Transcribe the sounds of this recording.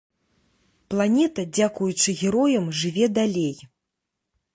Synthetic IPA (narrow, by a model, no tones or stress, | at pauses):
plˠanʲɛt̪ɐd͡zʲakujut͡ʂɨɣʲɛɾɔjɐmʐɨvʲɛd̪alʲej